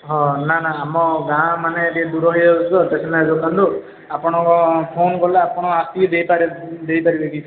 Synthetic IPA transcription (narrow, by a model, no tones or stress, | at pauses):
ɦɔ̃nanaːmɔɡãmanet̪ied̪uɾɔɦijɔsɔt̪ɔt̪etʰɛnad͡ʒokand̪u | apɔɽ̃ɔ̃ŋkɔpʰonkɔlaːpɔɽ̃ɔ̃ast̪ibid̪ejpaɾed̪ejpaɾibeɡit͡ʃʰɔ